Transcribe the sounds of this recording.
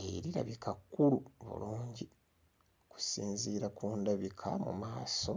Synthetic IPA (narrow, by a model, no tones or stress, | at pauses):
eɾiɾa̰βikakːuluβṵluːɲɟi | ku̥siːnziːɾakʰuːndaβikʰamṵmaːso̞